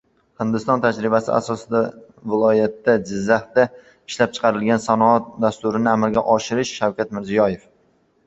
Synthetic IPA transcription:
hɪnd̪ɪst̪ɒnt̪ʰad͡ʒɾɪbasɪa̰sɒsɪd̪a | vɪlˠɒjat̪ːad͡ʒɪzːaht̪a | ɪʃlap̚t͡ʃʰɨ̥qʰɑɾɪlɡʲansanɒat̪̚d̪ast̪ʊɾɪnɪamɪɾɡʲaʔɒʃɪɾɪʃʃawkʲat̪mɪɾzijɒje̞f

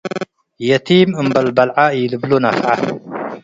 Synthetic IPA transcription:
jɐt̪ʰimɨmbɐlbɐlʕajilɨblonafʕa

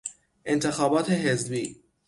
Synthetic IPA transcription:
ʔe̞nt̪ʰe̞xɒːbɒːt̪ʰe̞ɦezbiː

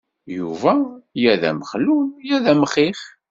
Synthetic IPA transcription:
juvæjæðæ̰məχlujæðæmχiχ

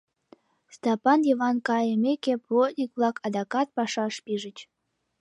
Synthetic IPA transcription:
st̪ɑpɑnjiβɑnkɑjəmʲekeplot̪̚ʲnʲikblɑkʰɑd̪ɑkɑt̪̚pɑʃɑʃpiʒət͡ɕ

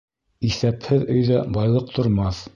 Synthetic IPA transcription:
iθæphɘðɵ̆jðæbɑjlˠɤq̚t̪ʰŏɾmɑθ

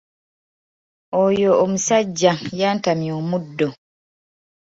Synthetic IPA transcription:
ojoːmusaɟːajaːntamjoːmudːo

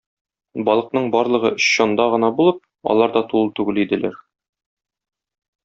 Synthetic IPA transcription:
bɒlˠɤ̆q̚nɤɴbɒɾlˠɤ̆ʁɤɵ̆ɕɕɒnd̪ɑʁɤ̆nɑbulˠɤp̚ | ɒ̰lˠɑɾd̪ɑt̪ulˠt̪ʉɡɘlid̪ɘ̆læɾ

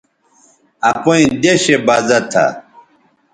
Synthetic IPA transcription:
ɐpoĩd̪eɕebazɐt̪ʰa̰

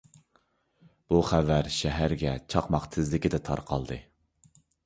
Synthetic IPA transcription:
b̥uχævæɾʃɛɦæɾɡʲɛt͡ʃʰɑqmɑχt̪ʰɪzlɪkʲɪd̪ɛt̪ʰɑ̰ɾqʰɑ̰lˠd̪ɨ

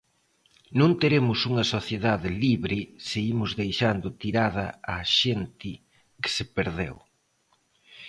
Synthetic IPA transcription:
nõnt̪eɾemʊsuŋɐsoθjeðaðɪliβɾɪseimʊzðejʃand̪ʊt̪iɾaðɐ̰aʃent̪ɪ | kɪ̥sɪpeɾðḛw

